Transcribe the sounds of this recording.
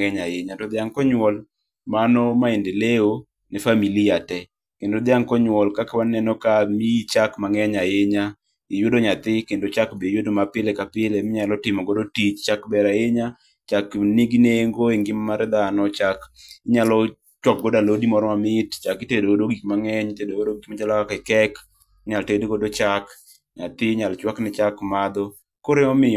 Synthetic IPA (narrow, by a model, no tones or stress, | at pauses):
ŋɛɲajeɲatɔd̪ɪaŋkɔɲwɔl | manɔmaendɪleo | nɛfamilijatɛ | kendod̪ɪaŋkɔɲwɔlkakawanɛnɔkamiit͡ʃakmaŋɛɲajeɲa | ɪjodoɲat̪ɪkendot͡ʃakbejodomapɪlɛkapɪlemɪɲalɔtɪmɔɡodotit͡ʃt͡ʃakbɛɾaeɲa | t͡ʃaknɪɡneŋɡoeŋɡɪmmaɾɛd̪anɔt͡ʃakɪɲalɔ | t͡ʃwɔk̚ɡodalodimɔɾɔmamɪtt͡ʃakɪtedoodoɡikmaŋɛɲtedoodoɡikmat͡ʃalɔakɛkɛk | ɲaltedkodot͡ʃak | ɲat̪ɪɲalt͡ʃwaknɪt͡ʃakmad̪ɔ | koɾeŋɔmɪ